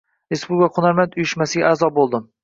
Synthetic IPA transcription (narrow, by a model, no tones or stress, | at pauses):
ɾespubkqʰʊnaɾmant̪ʊjɪʃmasɪɡʲaaːzɒbolˠd̪ɪm